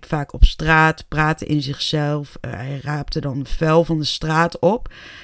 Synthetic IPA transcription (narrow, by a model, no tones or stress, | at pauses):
tfaːkɔpstraːtpraːtəʔɪ̰nzɪχsɛlˠfɛjraːp̚tədɑnəfɛlˠvɑndəstraːtɔp